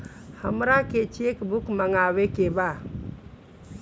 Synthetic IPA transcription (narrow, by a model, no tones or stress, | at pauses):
hamɾaket͡ʃiekbukmaŋawekeba